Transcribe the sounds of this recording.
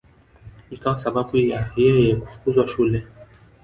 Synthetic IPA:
ikawasaɓabujajɛjɛku̥fu̥kuzwaʃulɛ

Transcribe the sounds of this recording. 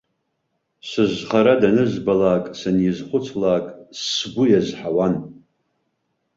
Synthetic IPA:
sɨʒχaɾadanɨzbalaːkʼsanjizχʷʊt͡sʰlaːkʼsbʊjazħawan

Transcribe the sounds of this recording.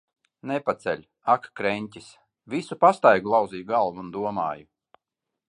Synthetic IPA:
nepat̪sɛ̰lʲ | akkɾɛɲʲtʲis | visupast̪ajɡulˠaw̪ziːjuɡalˠvuund̪uɔmaːju

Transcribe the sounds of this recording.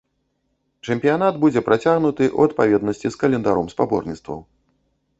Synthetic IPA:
t͡ʂɛmʲpʲijanad̪bud͡zʲɛpɾʔat͡sʲaɣnut̪ɨʔṵɐt̪̚pavʲɛd̪nɐsʲt͡sʲiskɐlʲɛnd̪aɾɔmspabɔ̰rnʲit̪st̪vɐ̰w

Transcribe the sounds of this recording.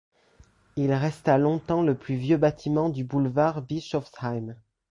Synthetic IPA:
ilʁɛst̪alɔ̃t̪ɑ̃ləplyvjøbat̪ʰimɑ̃d̪ybulvaʁbiʃɔfsajm

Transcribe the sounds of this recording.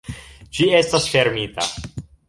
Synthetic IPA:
d͡ʒie̞stasfe̞ɾmita̰

